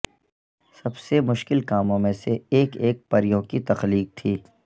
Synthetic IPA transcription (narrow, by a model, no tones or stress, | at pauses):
sɐbsemʊʃkɪlkaːmõmẽseeːkeːk̚pɐɾijõkit̪ɐxliːk̚t̪ʰiː